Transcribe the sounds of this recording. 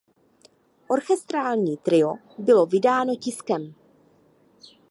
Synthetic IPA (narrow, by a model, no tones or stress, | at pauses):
ʔo̞ɾxɛst̪ɾaːlɲiːt̪ɾɪo̞ | bɪlo̞vɪdaːno̞cɪskɛm